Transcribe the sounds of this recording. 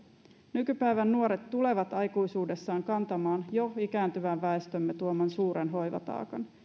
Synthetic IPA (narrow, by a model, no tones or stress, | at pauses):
nykypæjʋænːuoɾet̪ːule̞ʋɑt̪ɑjkujsuːde̞sːɑːŋkɑnt̪ɑmɑːnjo̞ikæːnt̪yʋæʋːæest̪ømːet̪uomɑnsuːɾenɦo̞jʋɑ̰t̪ɑ̰ːkɑn